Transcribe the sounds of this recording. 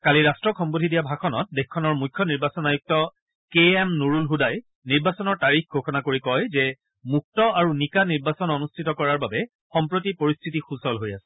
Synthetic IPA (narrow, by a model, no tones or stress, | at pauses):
kaliɹastɹɔkʰɔmbodʱidijabʱakʰɔnɔ̰t̚dexkʰːɔnɔɹmujkʰːjɔniɹbasɔnajuk̚tɔ | keɛmnoɹulɦudaj | niɹbasɔnɔɹtaɹixɡʱoxɔnakoɹikɔjzɛ | muk̚tɔaɹunikaniɹbasɔnɔnustʰitɔkɔɹaɹbabɛ | xɔmpɹotipoɹistʰitixusɔlɦojasɛ̥